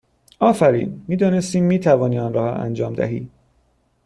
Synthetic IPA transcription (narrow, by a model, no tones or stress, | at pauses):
ɒːfæɾḭːnmiːd̪ɒːne̞st̪iːmːiːt̪ʰævɒːniːɒːnɾɒːhɒ̰æ̰nd͡ʒɒːmd̪æ̰ɦḭː